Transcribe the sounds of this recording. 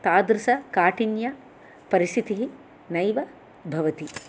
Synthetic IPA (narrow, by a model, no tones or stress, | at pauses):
t̪aːd̪ɾɐsɐkaːʈinjɐ | pɐɾist̪it̪iɦi | nɐjʋɐ | bʱɐʋɐt̪i